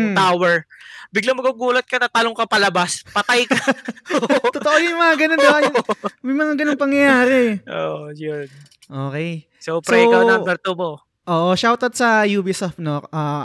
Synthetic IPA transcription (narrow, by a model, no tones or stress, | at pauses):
awɛɹbɪɡlaŋmɐɡuɡuːlɐt̪̚kɐnɐt̪aloŋkɐpɐlɐbaspɐt̪ajkɐ | t̪ooʔojʊjmɐŋaɡɐnonoʔɐjmɐjmɐŋaɡɐnoŋpɐŋjɐjaːɾɛʔo̰ːʔojon | ʔoːkɛj | sopsɾɐɛkaw̪abɛɾt̪omo | ʔoːʔoʃawt̪ɐd̪̚sɐjuːbisɐfnokʔaː